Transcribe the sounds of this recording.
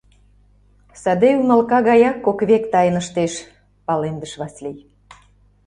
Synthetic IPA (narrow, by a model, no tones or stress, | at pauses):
sɑd̪eunɑlkɑɣɑjɑkːokβekt̪ɑjə̆nəʃt̪eʃ | pɑlend̪əʃβɑslij